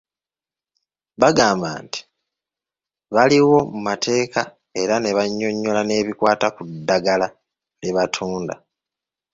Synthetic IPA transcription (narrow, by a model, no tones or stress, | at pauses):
βaɡaːmba̰ːnti̥ | βaliwo̞mumatʰe̞ːka | e̞ɾane̞βaɲːo̞ɲːo̞lane̞ːβikwaːtakudːaɡala | leβatʰuːnda̰